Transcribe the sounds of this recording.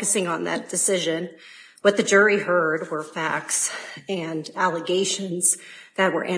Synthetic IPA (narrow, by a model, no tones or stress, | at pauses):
ɨsɪ̃ŋə̃nðɨ̰t̚d̥ɨsɪʒɨ̃n | wʌt̪̚ðɨd͡ʒʊɹihɜ˞d̚wə˞fæk̚tsɨ̃nælˠəɡeɪʃɨ̃nz̥ðɨt̚wə̰˞ʔɨ̃